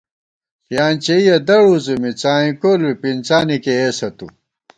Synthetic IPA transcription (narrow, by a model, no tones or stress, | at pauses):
jaːnt͡ɕeijɐd̪ɐɽuzumit͡saːĩkoːlwipint͡saːnikeesɐt̪u